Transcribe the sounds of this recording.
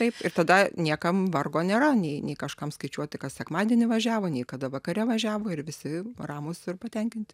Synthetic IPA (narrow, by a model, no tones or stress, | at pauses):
t̪ɐɪpɪrt̪ɐd̪ɐnʲiɛkɐmʋɐrɡoːnʲeːɾɐnʲɛɪnʲɛɪkɐʃkɐmskɐɪt͡ʃʲuɔt̪ʲɪkɐt̪sʲɛkmɑːd̪ʲiɛnʲɪʋɐʒʲæːʋoːnʲɛɪkɐd̪ɐʋɐkɐɾʲɛʋɐʒʲæːʋoːɪrʋʲɪsʲɪrɑːmʊsɪrpɐt̪ʲɛŋʲkʲɪnʲt̪ʲɪ